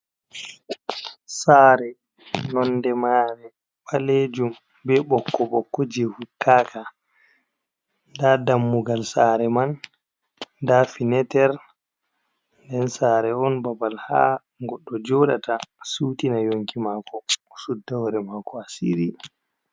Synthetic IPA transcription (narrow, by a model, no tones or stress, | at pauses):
saːɾɛ | nɔndɛmaːɾɛ | ɓaled͡ʒum | bɛɓɔkːɔɓɔkːɔd͡ʒehukːaːkʰa | ndadamːuɡalsaɾɛman | dafinɛtɛɾ | ndɛnsaːɾɛɔnbabalha̰ | ŋɡɔɗːɔd͡ʒɔɗa̰tasuːtinajoŋkimakɔsudːawɾɛmaːkɔasḭɾi